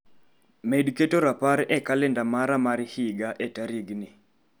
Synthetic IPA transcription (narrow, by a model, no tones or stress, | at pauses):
mediketoɾapaɾɛkalɛndamaɾamaɾhiɡaʔetaɾiɡnɪ